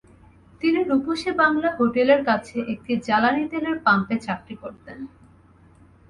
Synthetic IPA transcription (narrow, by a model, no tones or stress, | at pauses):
t̪iniɾupuʃebaŋlaɦoʈeleɾkat͡ɕʰeʔek̚ʈid͡ʑalanit̪eleɾpampet͡ɕakɾikoɾt̪en